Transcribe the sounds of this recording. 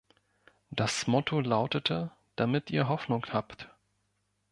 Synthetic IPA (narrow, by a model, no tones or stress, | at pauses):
d̥asmɔtʰolaʊtətʰə | d̥amɪtʔiːɐɦɔfnʊŋhaːpt